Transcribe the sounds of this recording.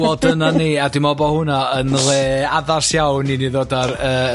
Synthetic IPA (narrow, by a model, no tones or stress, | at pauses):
ɔdənaniːadɪmɔbɔhʊnaənlˠeːaðasjawniniðoːdarəː